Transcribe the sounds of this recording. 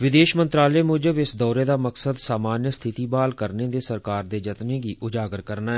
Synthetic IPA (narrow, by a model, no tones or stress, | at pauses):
ʋɪd̪eːʃmənt̪ɾaːlɛeːmʊːd͡ʒəbɪsd̪ɔːɾeːd̪aːməksəd̪saːmaːnjəst̪ʰɪt̪iːbaːlkəɾneːd̪eːsəɾkaːɾd̪eːd͡ʒət̪neːɡiːʔʊd͡ʒaːɡəɾkəɾnaːɛ